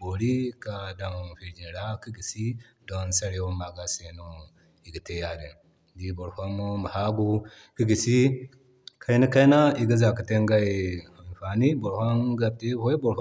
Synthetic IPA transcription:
bo˨ɾi˦ka˨da˨m˨fi˨ɾd͡ʒi˨ɾa˦ki˦ɡi˨si˦ | do˦nsa˦ɾe˨wo˦ma˨ɡa˦se˨nu˦ | i˨ɡə˨te˦ja˨di˨n | di˦bo˨ɾhʷa˦mo˦ma˨ha˦ɡu˦ | ki˦ɡi˨si˦ | kʰa˦i˦ni˦ka˦na˦i˨ɡi˦za˨kə˨te˦ŋɡa˦i˨a˨n˨fa˨ni˦bo˨ɾha˦nɡa˦˨te˦ho˦i˦bo˨ɾh

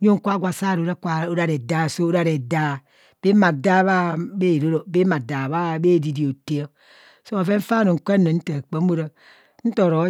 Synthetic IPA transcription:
ɲo˦ŋ˦kʷa˦ɡʷa˨sa˦˨ɾo˨ɾa˦kʷa˨o˦ɾa˦ɾe˨da˦˨so˦o˦ɾa˦˨ɾe˨da˦˨ | b̥e˦ma˨da˦βa˦be˦˨ɾo˦ɾo˨be˦ma˨da˨βa˦be˦˨di˨di˨o˨te˦o˦ | so˦a˨ve˦ɱ̩˦fa˦no˨ŋ̩˨kʷe˦no˨n̩˦ta˨k͡pe˨˦m̩˦o˦ɾa˦ | n̩˦to˨ɾo˨˦

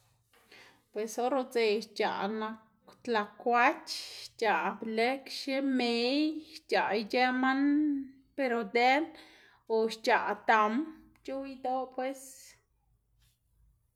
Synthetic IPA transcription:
pwe˨so˦ɾo˧t͡se˨t͡ʃa̰˨na˧k | t̪la˨kʷa˦t͡ʃt͡ʃa˨ʔble˦kʃe˦me˨jt͡ʃa˨jd͡ʒe˦ma˦n | pe˧ɾo˧d̪e˦n | o˨ʃt͡ʃa˨t̪a˨m | t͡ʃu˦jd̪o˦pwe˦s

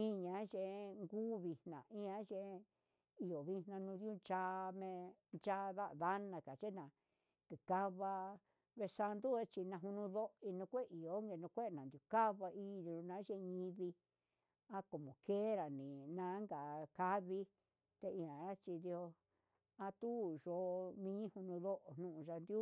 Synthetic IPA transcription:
ĩ˦ɲã˨˦ʒe˧ŋɡuː˦βi˧hnã˨ʔĩ˦ã˦ʒe˧ | i˧o˨βi˧hnã˧nũ˧˦ðju˦˧nt͡ʃa˦˧˦mẽ˧ | nt͡ʃa˦ða˦ʔða˦nã˧ka˨t͡ʃe˦nã˨ | kɨ˨ka˧βa˧ | βe˧sa˧nd̪u˦e˦t͡ʃi˧nã˧ɦu˧nũ˧ðo˦˧i˧nũ˧kʷe˦˨i˨o˨˦ŋɡe˧˨nũ˧kʷe˦˧˨nã˨nd̪ju˨ka˦βa˧ʔi˦˧u˧nã˨˦ʒe˧ɲĩ˧βi˧ | a˦ko˨mõ˨ke˦ɾa˨nĩ˨nã˧˦ŋɡa˨ka˧˦βi˧ | t̪e˧i˧ã˨a˦t͡ʃi˧d̪i˧o˧ | a˧t̪u˦ʒo˧mĩ˧ɲĩ˦hu˧nũ˧ðo˦ʔo˨n̥nũ˦˧ʔũ˧ʒa˧nd̪ju˦

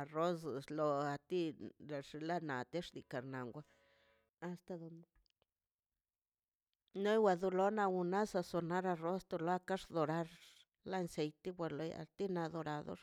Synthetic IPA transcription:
ro˦sslo˧a˨t̪i˦ɾa˨ʂi˧la˦na˨t̪e˦ʂd̪i˨ka˨ɾna˨ŋɡʷaː˧˨ | st̪a˧d̪o˨n | no˦jwa˧d̪o˧lo˦na˧wu˧na˦sa˧so˧na˦ɾa˧ro˦st̪o˧lo˧˦a˦ka˦ʂd̪o˨ɾa˧ɾ | la˦nse˨jt̪i˦bʷa˧˨lo˧ja̰˨t̪i˦na˧d̪o˧ɾa˨d̪o̰˦ɾ

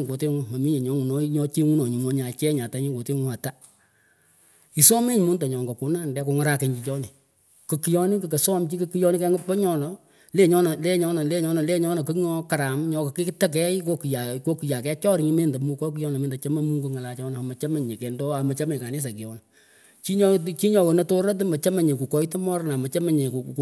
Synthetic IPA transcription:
ŋɡo˨tɪ˦ŋʊ˦ma˨mi˦ɲɛ˨ɲɔ˨˦ŋu˨nɔ˦ɲɔ˦t͡ʃi˦ŋu˦nɔ˨ɲi˨ŋɔ˨˦ɲa˨t͡ʃɛ˦ɲa˨ta˨˦ɲɪ˦ŋɡo˨tɪ˦ŋu˦a˨ta˦ | i˨sɔ˦mɪ˦ɲ˨mʊ˦nda˨ɲɔ˨ŋɡɔ˨ku˨na˦˨ndɛ˦ko˨ŋa˦ɾa˨kɛ˨ɲd͡ʒi˨t͡ʃɔ˦nɪ˨ | kɨ˨ki˨jɔ˦nɪ˦k̬ɨ˨kɛ˨sɔ˦mt͡ʃi˦kɨ˦ki˦jɔ˦nɪ˦kɛ˦ŋɡʊ˦pɔ˦ɲɔ˦nɔ˨ | le˦ɲɔ˦nɔ˨le˦ɲɔ˦nɔ˨le˦ɲɔ˦nɔ˨le˦ɲɔ˦nɔ˨kɨ˦ŋɔ˦ka˨ɾa˨mɲɔ˨kɔ˨kɪ˦ktɛ˦k̬ɛ˦ɪ˦ko˦ki˨ja˨ko˦ki˨ja˨kɛ˦t͡ʃɔ˦ɾɪ˨ŋi˦me˦˨nda˨mu˨kɔ˦k̬i˦jɔ˦n˨mɪː˨nda˨t͡ʃa˦ma˦mu˦ŋɡu˦ŋa˨la˨t͡ʃɔ˦n˨a˨mɐ˨t͡ʃa˦ma˨ɲe˨kɛ˨ndɔ˦a˨mɐ˨t͡ʃa˦mɛ˨ka˨nɪ˦s̬a˨ki˨jɔ˨n˨ | t͡ʃi˦ɲ˦t͡ʃi˦ɲɔ˨kɔ˨nɐ˨to˦ɾa˦t̬ɨ˦mɐ˨t͡ʃa˦ma˨ɲe˨ku˨kɔ˨i˦tɔ˦mɔ˦ɾna˨mɐ˨t͡ʃa˦mɛ˦ɲe˨ku˨k

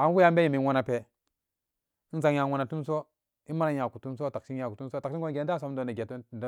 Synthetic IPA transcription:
a˨˦n˦u˦ja˦be˦ji˨mi˨˦wo˦na˨pe˨˦ | za˨ŋja˨wo˦na˨tu˦m˦s̬o˦ | i˦ma˦na˦ja˨ku˨tu˦ms̬o˦ta˨ksi˦nja˨ku˨tu˦so˦ta˨ksi˦ɡo˦n˨ɡe˨˦da˦˨so˦m˦do˨na˨ɡe˨td

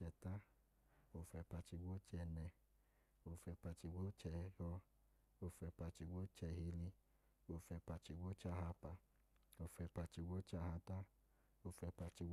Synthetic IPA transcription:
ɛ˧ta˦ | o˧fɛ˧pa˧t͡ʃi˧ɡo˦t͡ʃɛ˧nɛ˧ | o˧fɛ˧pa˧t͡ʃi˧ɡʷo˦t͡ʃɛ˧hɔ˧ | o˧fɛ˧pa˧t͡ʃi˧ɡʷo˦t͡ʃɛ˧hi˧li˧ | o˧fɛ˧pa˧t͡ʃi˧ɡo˦t͡ʃa˧˨ɦa˧pa˧ | o˧fɛ˧pa˧t͡ʃi˧ɡo˦t͡ʃa˧˨a˧ta˦ | o˧fɛ˧pa˧t͡ʃi˧˦

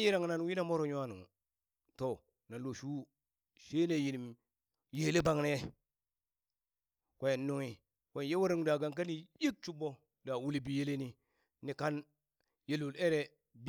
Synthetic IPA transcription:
ji˦ɾa˨ŋ˨na˦nwi˦na˦˨mo˦ɾo˨ɲu˦a˦nu˨ | to˨ | na˨lo˨ʃu˦ | ʃe˦ne˨ji˨ni˨m | je˨le˦ba˦˨ŋne˦je˦ | ka˨je˨nː˦u˦ŋi˨ | ke˨nje˦wa˦ɾi˦ŋ˨da˨ɡa˦ŋk̬a˦ni˨ji˦k̚t͡ʃu˦bo˦ | da˨wu˦li˦bi˨je˦le˦ni˦ | ni˨ka˦n | je˨lu˨le˦ɾe˨ | b

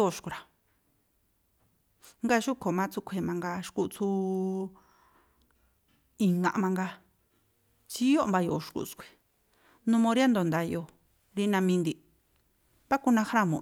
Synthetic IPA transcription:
o˦˧˨ʃku˨˧ɾa˨ | ŋɡa˦˧ʃu˦kʰo˨mã˧˦t͡su˧˦kʷʰe˧˨mã˧ŋɡa˧ʃku˧t͡su˧˦ | i˧ŋã̰˧mã˧ŋɡa˧ | t͡ʃi˧˦o˦ʔmba˧jo˨ʃkṵ˧˨skʷe̥˨ | nũ˧mõ˧ɾja˦nd̪o˨nd̪a˧jo˧ | ɾi˦nã˧mĩ˧nd̪i˧ | βa˦ku˧nã˧xɾa˦˨mõ̰˨

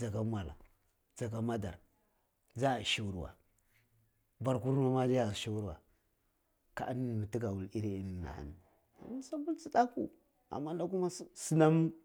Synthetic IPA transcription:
d͡za˨ɡa˦mwa˨la̰˨ | d͡za˨ɡa˦ma˦da̰˨ɾ | d͡za˦˨ʃi˦wu˦ɾwa̰˨ | ba˨ɾku˦ɾna˦ma˦d͡ʒa˦ja˦˨ʃi˦wu˦ɾwa̰˨ | ka˨˦n˦˨mi˨ti˦ɡa˨wu˨li˦ɾi˦i˨n˨na̰˨a̰˨ni˨ | a̰˨mu˦sa˦bu˦lt͡si˦ɗa˦kṵ˨ | a̰˨mːa˦nda˦ku˦ma˦si˦na˦m

